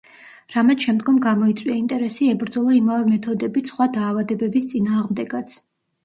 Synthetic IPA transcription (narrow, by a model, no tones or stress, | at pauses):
ɾamɛt̪ʃɛmd̪ɡɔmɡamɔit̪sʼwiaint̪ʼɛɾɛsiɛbɾd̪zɔlˠaimavɛmɛt̪ʰɔd̪ɛbisχwad̪aːvad̪ɛbɛbist̪sʼinaːʁmd̪ɛɡat̪sʰ